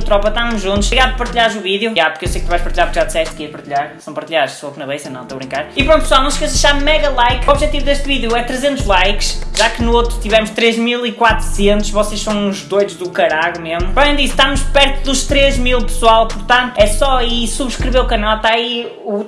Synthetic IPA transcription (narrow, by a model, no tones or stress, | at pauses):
t̪ɾɔpɐt̪amuʒũnt̪uʃiɣaðpɐɾt̪iʎazuviðjuapuɾkewsejk̚t̪uvajʃpɐɾt̪iʎaɾpɾkʒaɾðisɛʃt̪ɐkiɐpɐɾt̪iʎaɾsɐ̃w̃pɐɾt̪iʎaðʃsofnɐβɐjsɐ̃nɐ̰̃t̪oɐβɾĩŋkaɾipɾõnt̪psalˠnɐ̃ʃikɐɾzɐʃaɾmɛɣɐlˠajkɔβʒɛt̪ivuðeʃt̪viðjuɛt̪ɾɨzẽnt̪uʒlˠajkʃʒ̥akɨnuot̪ɾut̪ivɛmʊʃt̪ɾeʒmilˠikwat̪ɾu̥sẽnt̪uʃvɔseʃsɐ̃w̃uʒðojðuʒðukɐɾaɣumeʒmupɾɔaẽd̪isʃt̪amuʃpɛɾt̪uðuʃt̪ɾeʒmilˠpɨ̥swalˠpuɾt̪ɐ̃nt̪ɛsɔisuβʃkɾɨveɾukɐnalˠt̪aɐi | u